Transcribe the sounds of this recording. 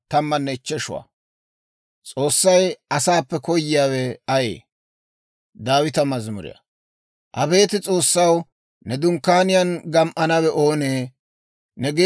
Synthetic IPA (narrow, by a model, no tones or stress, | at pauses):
t̪ɐmːɐnːɛɪt͡ʃːɛʃʊwa̰ | t͡sʼo̞ːsːɐjɐsaːpːɛkɔjːɪjaːwɛɐjḛː | d̪aːwɪt̪ɐmɐzmʊ̰ɾɪ̰jɐ̰ | ʔɐbe̞ːt̪ɪt͡sʼo̞ːsːɐw | nɛd̪ʊŋkːaːnɪjɐnɡɐmʔɐnɐwɛʔoːneː | nɛɡe